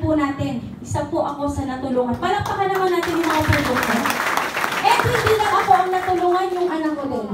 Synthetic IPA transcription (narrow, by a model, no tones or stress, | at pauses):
pʊnaːt̪ɪn | ʔɪsapʊʔɐko̞sɐnɐt̪ʊloːŋɐnpaːɾɐpɐkɐnɐmanːaːt̪ɪnjʊŋmɐŋapɾod̪ukʃon | ʔɛt̪hɪnd̪iːlɐŋʔɐko̞ʔɐŋnɐt̪ʊloːŋɐnjʊŋʔɐnɐkkod̪on